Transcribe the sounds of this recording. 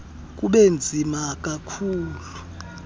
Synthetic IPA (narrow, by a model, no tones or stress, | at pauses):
k̬ʼuɓend͡zʱimakʼakʰuːlu